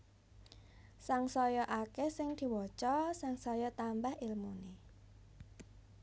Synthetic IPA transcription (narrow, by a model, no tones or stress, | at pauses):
saŋsɔjɔʔakesɪŋd̪̥i̤wɔt͡ʃɔsaŋsɔjɔt̪ambahilmune